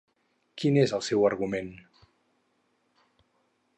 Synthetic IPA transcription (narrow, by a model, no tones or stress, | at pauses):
kinezəlˠsɛwəɾɣumen